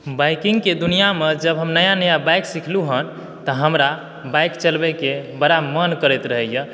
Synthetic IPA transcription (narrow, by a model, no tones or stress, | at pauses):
bajkiŋɡked̪unijamed͡ʒəbɦəmnəjanəjabajksikʰluɦən | t̪əɦəmɾa | bajkt͡ʃəlbɛkebəɾamənkəɾɛt̪ɾəɦəjə̃